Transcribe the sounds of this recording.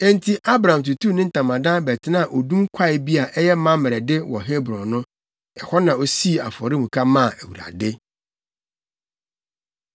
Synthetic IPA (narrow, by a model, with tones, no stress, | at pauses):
ɛ̃˦˨ntʰi˨ʔa˦bɾã˨m˨t̬u˨tʰu˦˨nɪ̃˦n̩˦tʰã˨mã˨dã˦bɛ˨tʰɪ˦nã˦˨ʔo˨dũ˦ŋ˦kʷʰa˦˨ɪ˨bi˦a˨ʔɛ˦jɛ˦mã˦mɪ˨ɾɛ˨dɪ˦wɔ̰˨ɦe˦bɾɔ̃˨nʊ̃˦ | ɛ˨hɔ˦nã˨o˦si˦˨a̰˨fɔ˨ɾɪ˦mũ˨kʰa˦mã˦˨æ˨wṵ˨ɾa̰˨dɪ˦